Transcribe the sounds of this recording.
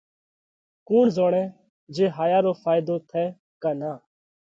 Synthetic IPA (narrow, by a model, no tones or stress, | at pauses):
kuːɳzoːɽ̃ɛ̃ː | d͡ʒeːɦaːjaːɾoːfʰaːɪd̪oːt̪ʰɛː | kaːnaː